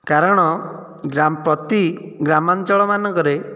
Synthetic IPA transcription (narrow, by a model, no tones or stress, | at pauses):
kaɾɔɽ̃ɔ | ɡɾampɾɔt̪iɡɾamant͡ʃɔɭɔmanɔkɔɾe